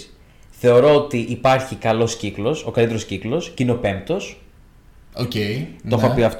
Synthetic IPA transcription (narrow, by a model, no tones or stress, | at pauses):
θe̞o̞ɾo̞ot̪iʔipɐɾçikɐlo̞sciklo̞so̞kɐlit̪e̞ɾo̞sciklo̞scineope̞mt̪o̞s | oceit̪oxoɐpiɐft̪